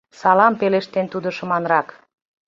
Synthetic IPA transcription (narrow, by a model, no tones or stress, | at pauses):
sɑlɑmpeleʃt̪ent̪ud̪ə̆ʃə̆mɑnrɑk